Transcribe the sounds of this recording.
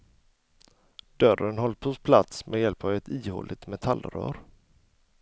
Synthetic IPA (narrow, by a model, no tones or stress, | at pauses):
d̪̥œɾənɦɔlt̪̚pʰhʊspʰlat̪smʔɛjɛlpʰɑːvɛt̪iːho̰ːlʔɪt̪mɛt̪ʰalːɾœ̰ːɾ